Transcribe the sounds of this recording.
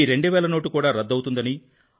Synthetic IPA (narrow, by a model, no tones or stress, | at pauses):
iɾe̞ɳɖuʋɛːlɐno̞ːʈukuːɽaːɾɐd̪ːɐwut̪und̪ɐni